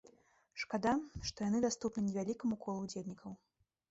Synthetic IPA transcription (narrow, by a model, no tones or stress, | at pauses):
ʂkad̪aʂt̪ɔjanɨd̪ast̪upnɨnʲɛvʲalʲikɐmukʰɔlˠud͡zʲelʲnʲikʰɐw